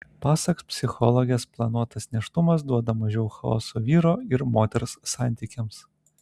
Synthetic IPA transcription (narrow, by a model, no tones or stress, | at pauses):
pɑːsɐkspʲsʲɪxɔlˠoɡʲesplˠɐnuɔt̪ɐsnʲɛʃt̪ʊmɐs̬d̪uɔd̪ɐmɐʒʲɛʊxɐɔ̰ːsoːʋʲiːɾoːɪɾmoːt̪ʲɛɾsːɑˑnʲt̪ʲiːkʲɛms